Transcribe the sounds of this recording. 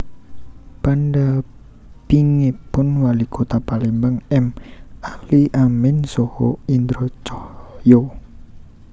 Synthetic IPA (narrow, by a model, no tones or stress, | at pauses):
panɖa | piŋepʊnwalikʰot̪apalimbaŋɛmahliʔamɪnsɔhɔ̰ind̪ɾot͡ʃɔhjo